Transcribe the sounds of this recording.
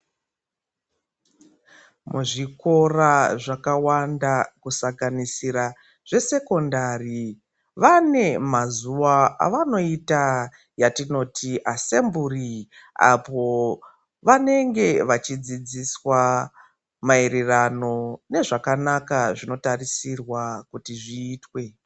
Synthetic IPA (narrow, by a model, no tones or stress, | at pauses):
muʐiko̞raʐakawandakusaŋɡanisiɾa | ʐ̥e̞se̞ko̞ndari | ʋane̞mazuwaa̰ʋano̞ita | jatino̞tʰiʔase̞mburia̰po̞ | ʋane̞ŋɡe̞ʋat͡ʃid͡zid͡ziswa | maeɾirano̞ne̞ʐakanakaʐino̞tarisirwakutiʐiːtwe̞